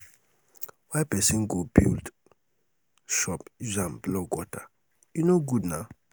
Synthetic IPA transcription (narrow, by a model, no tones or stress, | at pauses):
wajpɛsĩnɡobḭld | ʃɔpzãmblɔɡwɔta | junoɡudna